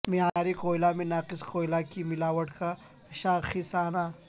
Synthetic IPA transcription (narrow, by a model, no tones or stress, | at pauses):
miaaɾikoːjlaːmenaːqiskoːjlaːkimilaːwɐʈka | ʃaːxisaːna